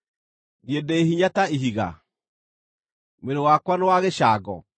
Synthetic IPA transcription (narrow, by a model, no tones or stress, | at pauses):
njedɛeɦiɲataiɦiɣa̰ | meɾowakwanewaɣeʃaːɡɔ